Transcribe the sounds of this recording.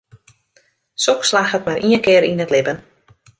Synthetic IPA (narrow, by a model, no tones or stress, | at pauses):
sɔkslaxət̚maɾʔiənkɪəɾinətlɪbən